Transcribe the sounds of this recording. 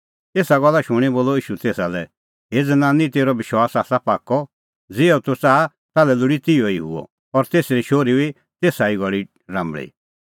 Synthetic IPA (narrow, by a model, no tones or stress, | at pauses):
eːsaɡɔlːaʃʊɽ̃iboːlɔiːʃut̪eːsalɛ | ɦeːd͡zənãːnĩt̪eːɾɔbɪʃwaːsaːsapaːkːɔ | d͡zeːɔt̪ot͡saːa | t̪aːlɛlʊɽit̪ɪjɔiɦʊ̰ɔ̰ | ɔɾt̪eːsɾiʃoːɾibi | t̪eːsaiɡɔɭi | ɾãːmbɭḭ